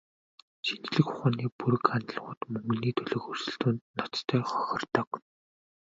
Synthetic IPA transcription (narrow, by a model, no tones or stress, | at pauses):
t͡ɕint͡ɕɮɘ̆kʊχaːniːpuɾɵ̆kant̪ɮ̆ʁʊːt̪mɵŋɡɵ̆niːt̪ʰɵɮɵ̆ːxɵr̥sɵ̆ɬt̪uːnnɔt͡st̪ʰœːχɔ̥xʲɞ̆rt̪ɞ̆k